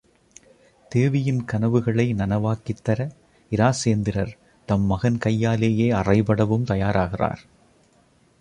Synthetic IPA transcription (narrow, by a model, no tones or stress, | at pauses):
t̪eːʋɪjɪnkɐnɐʋɯɣɐɭɐɪnɐnɐʋaːkɪt̪ːɐɾɐ | ɪɾaːseːnd̪ɪɾɐɾ | t̪ɐmːɐɣɐnkɐjːaːleːjeːɐrɐɪpɐɽɐʋɯmt̪ɐjaːɾaːɣɪra̰ːɾ